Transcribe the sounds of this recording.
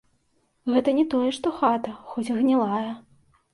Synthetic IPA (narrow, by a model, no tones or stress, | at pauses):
ɣɛt̪ɐnʲɛt̪ɔjɛʂt̪ɔxat̪ɐxɔt͡sʲɣnʲɛlˠajɐ